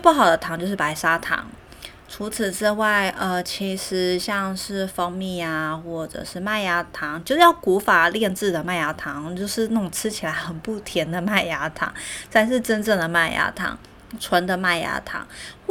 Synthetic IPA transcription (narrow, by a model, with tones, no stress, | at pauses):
pu˥˩xɑ˨˩ʊd̪ə˦t̪ʰɑ˧˥ŋt͡ɕjo˥˧ʊʂɻ̩˥˩pa˧˥ɪʂa˥t̪ʰɑ̰˧˥ŋ | ʈ͡ʂʰu˧˥t͡s̩ʰ˨˩ʈ͡ʂɻ̩˥˧wa˥˩ɪʔə˩t͡ɕʰi˧˥ʂɻ̩˧˥ɕjɑ˥˧ŋʂɻ̩˥˩fɤ˥ŋmi˥˩a˩xwɔ˥˩ʈ͡ʂə̰˨˩ʂɻ̩˥˧ma˥˩ɪja˧˥t̪ʰɑ˧˥˦ŋt͡ɕjo˥˧ʊjɑ˥˩ʊku˧˥fa˨˩ljɛ˥˧nʈ͡ʂɻ̩˥˩d̪ə˩ma˥˩ɪja˧˥t̪ʰɑ˧˦˥ŋt͡ɕjo˥˧ʊʂɻ̩˥˧n˥˩ʊ˨˩ŋʈ͡ʂʰɻ̩˥t͡ɕʰi˨˩la˧˦ɪxə˨˩npu˥˩t̪ʰjɛ˧˥nd̪ə˨ma˥˩ɪja˧˥t̪ʰɑ̰˨˧˥ŋsa˥˧nʂɻ̩˥˧ʈ͡ʂə˥nʈ͡ʂɤ˥˩ŋd̪ə˩ma˥˩ɪja̰˧˥t̪ʰɑ̰˧˥ŋ | ʈ͡ʂʰwə˧˥nd̪ə˨ma˥˩ɪja̰˧˥t̪ʰɑ̰˧˥ŋ